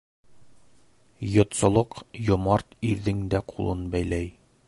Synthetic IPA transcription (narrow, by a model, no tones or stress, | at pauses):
jŏt̪sɤ̆lˠɤqjŏmɑɾt̪iɾðɘŋd̪æqʰulˠɤnbæjlæj